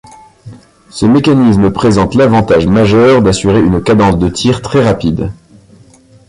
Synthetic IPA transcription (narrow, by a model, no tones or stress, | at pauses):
səmekanisməpχezɑ̃t̪lavɑ̃t̪aʒmaʒœʁd̪asyʁeynkad̪ɑ̃sd̪ət̪ʰiʁt̪χɛʁapid̪